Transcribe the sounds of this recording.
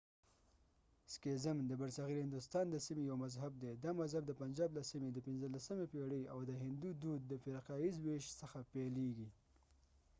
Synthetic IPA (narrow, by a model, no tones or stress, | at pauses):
skezɪmd̪əbaɾsaɣiɾhɪnd̪ʊst̪ɑnd̪əsimejawmazɦab̚d̪ed̪ɑmazhab̚d̪əpand͡ʒɑblasimed̪əpɪnzəlasəmepeɽəjawd̪əɦɪnd̪ud̪ud̪̚ːəfɪɾqɑizweʃsəxapeleɡi